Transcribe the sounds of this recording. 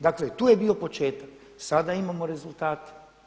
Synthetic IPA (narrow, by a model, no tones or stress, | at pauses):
d̪aklet̪uːjebiːo̞po̞t͡ʃe̞ːt̪ak | sad̪aimamo̞ɾe̞zulˠt̪aːt̪e̥